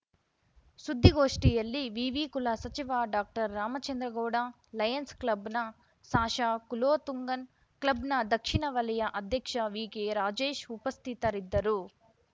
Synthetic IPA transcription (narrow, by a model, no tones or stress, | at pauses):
sud̪ʱːiɡoːʂʈijɐlːiʋiːʋiːkulasɐt͡ʃiʋaːɖaːk̚ʈɐɾːaːmɐt͡ʃɐnd̪ɾɐɡɔːɽa | lɐjɐnsklɐbnɐ | saːʃaːkuloːt̪uŋɡɐn | klɐbnɐd̪ɐkʂiɳɐʋɐlɐjɐʔɐd̪ʱjɐkʂɐʋiːɡeːɾaːd͡ʒeːʃupɐst̪ʰit̪ɐɾid̪ːɐɾu